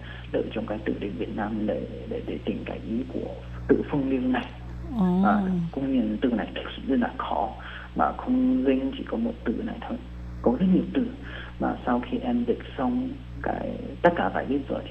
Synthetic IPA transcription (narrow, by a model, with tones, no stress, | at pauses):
lə̰ː˧˨jt͡ɕɔ˧wŋ͡mkaː˨˦jt̪ɨ̰˧˨ɗḭ̈˨˧˩ŋvi˨˩ət̚naː˧mɗḛ˧˩ | ɗe˧˩ɗe˧˩t̪ï˨˩ŋ̟kaː˨˦jʔi˨˦ku˧˩ə | t̪ɨ̰˧˨fɨ˧əŋli˧əna˨˩j | maː˨˩˨kʊ̰˧˥ŋ͡mɲi˧˩ənt̪ɨ̰˧˨na˨˩jt̪ʰə˨˩k̚sɨ̰˧˩zt̚laː˨˩xɔ˨˦ | ma̰ː˨˩xə˧wŋ͡mzï˧ŋ̟t͡ɕi˧˩kɔ˨˦mo˨˩t̚t̪ɨ̰˧˩na̰˨˩jt̪ʰo˧˩j | kɔ˨˦zə˦˥t̚ɲi˨˩əwt̪ɨ̰˧˩ | ma̰ː˨˩sa˧wxi˧ʔɛ˧mzi˨˩k̚sɔ˧wŋ͡m | ka̰ː˨˦jt̪ə˦˥t̚kaː˧˩vaː˧˩jɓi˦˥t̚zo̰ː˨˩jt̪ʰ